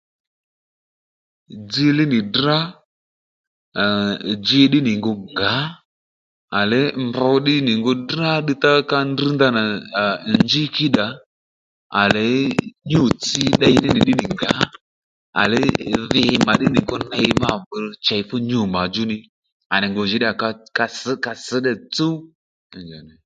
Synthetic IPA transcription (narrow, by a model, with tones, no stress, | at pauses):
d͡zi˧lɪ˦nɪ˨dra˦˨ | d͡ʒe˧ɗɪ˦nɪ˨ŋɡo˧ŋɡa˨˦ | a˨lɛ˨˦mbɔ˧˦ɗɪ˦nɪ˨ŋɡo˧dra˦ɗi˧t̪a˦ka˧ndi˦nd̪a˧na˨nd͡ʒi˦ki˦ɗa˨˦ | a˨lɛ˨˦ɲo˨t͡si˧ɗa˧jnɪ˦nɪ˨ɗɪ˦nɪ˨ŋɡa˨˦ | a̰˨lɪ˦ðɪ˨ma˨ɗɪ˦nɪ˨ŋɡo˧na˧ma˦˨və˧t͡ʃa˨˦fʊ˦ɲo˨ma˨d͡ʒʊ˦nɪ˧ | a˨nɪ˨ŋɡo˨ʒɪ˨˦ɗɪ˦a˨ka˧ka˧ska˧sə˨˦ɗɛ˨t͡su˦˨ | d͡ʒa˨nɛ˨